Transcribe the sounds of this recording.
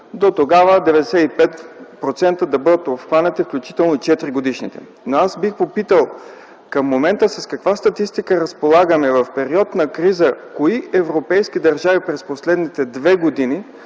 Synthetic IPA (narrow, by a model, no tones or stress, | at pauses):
d̪ot̪oɡavəd̪ɛvɛd̪ɛsɛt̪ipɛt̪pɾot̪sɛnt̪əd̪ɐbɤd̪ət̪opxanɛt̪ifklʲut͡ʃi̥t̪ɛlˠnot͡ʃɛt̪ɾiɡod̪iʃnit̪ɛ̰ | noazbixpopit̪əlˠ | kəmːomɛnt̪əsɐskɐkvast̪ɐt̪ist̪ikəɾɐspolˠaɡəmɛvɐfpɛɾiɔt̪nɐkɾizəkoiʔɛvɾopɛjsk̟id̪ɐɾʒavipɾɛsposlɛd̪nit̪ɛd̪vɛɡod̪ini